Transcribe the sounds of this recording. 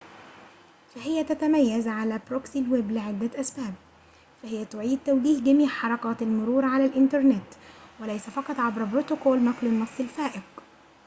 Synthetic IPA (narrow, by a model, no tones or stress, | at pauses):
fæhɪjːæt̪æt̪æmæjːæzʕalæːbɾoksilweblɪʕɪd̪ːæʔæsbæːb̚ | fæhɪjæt̪ʊʕiːd̪̚t̪æwliːhɡæmiːʕħɑɾˤɑqɑːt̪ɪlmʊɾuːɾʕalælʔɪnt̪ɑɾˤnɪt̪wælæjsæfɑqɑt̪ˤʕabɾbɾot̪okoːlnɑqlɪnːɑsˤːɪlfæːʔɪq